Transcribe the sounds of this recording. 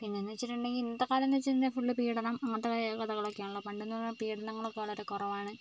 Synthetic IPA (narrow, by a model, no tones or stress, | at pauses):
pinːenːʋt͡ɕːiʈːuɳɖeŋɡilinːɐt̪ɐkːaːlɐnːet͡ɕːindefuɭːɨpiːɽɐnɐmɐmːɐt̪ːɐkɐkɐðɐɣɐɭoːkːejaːɳuɭːɐpɐɳɖunːulːɐpiːɽɐnɐŋːɐɭokːeʋɐɭɐoɾukorɐʋaːɳɨ